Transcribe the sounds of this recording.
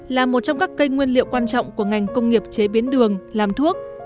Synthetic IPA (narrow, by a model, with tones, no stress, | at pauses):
laː˨˩mo˨˩t̚t͡ɕɔ˧wŋ͡mkaː˦˥kːə˧jŋwi˧ənlḭ˧˨ə˨wkwaː˧nt͡ɕɔ̰˧˨wŋ͡mku˧˩əŋa˨˩jŋ̟kə˧wŋ͡mŋi˨˩əp̚t͡ɕe˨˦ɓi˨˦ənɗɨ˨˩əŋlaː˨˩mt̪ʰu˦˥ək̚